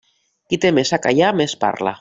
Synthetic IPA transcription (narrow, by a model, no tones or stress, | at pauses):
kit̪emesakajamespa̰ɾla̰